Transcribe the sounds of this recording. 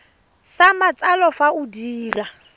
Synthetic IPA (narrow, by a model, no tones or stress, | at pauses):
samat͡sʼalɔfaudiːla